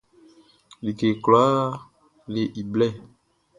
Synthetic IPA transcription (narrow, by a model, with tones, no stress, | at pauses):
li˨ke˨klo˨a˦ | le˨ʔi˨blɛ˦˨